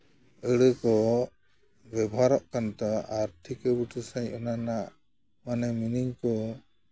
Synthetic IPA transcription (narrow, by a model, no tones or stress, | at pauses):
əɽəkɔ | bɛbɔɦaɾɔʔkant̪aaɾt̪ʰikəbuʈəsajɔnanaʔ | manɛminiŋkɔ